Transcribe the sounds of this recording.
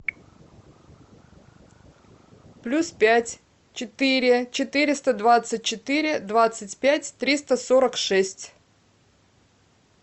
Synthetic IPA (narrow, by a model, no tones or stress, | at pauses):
plʲuspʲætʲ | t͡ɕɪt̪ɨɾʲɪt͡ɕɪt̪ɨɾʲɪst̪əd̪vat̪sɨt̚ʲt͡ɕɪt̪ɨɾʲɪd̪vat̪sɨtʲpʲætʲt̪ɾʲist̪əsoɾəkʂɛsʲtʲ